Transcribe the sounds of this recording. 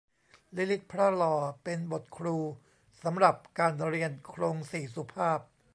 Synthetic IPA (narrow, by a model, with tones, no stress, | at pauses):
li˦˥li˦˥t̪̚pʰɾa˦˥lɔː˧pe˧nbo˨˩t̪̚kʰɾuː˧ | sa˩˦mɾa˨˩p̚kaː˧nɾi˧ənkʰɾoː˧ŋsiː˨˩su˧˩˦pʰaː˥˩p̚